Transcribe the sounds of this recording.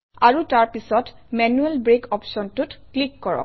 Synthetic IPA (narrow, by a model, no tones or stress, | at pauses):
aɹutaɹpisɔtmɛnuɛlbɹekɔpsɔntutklikːɔɹɔ̰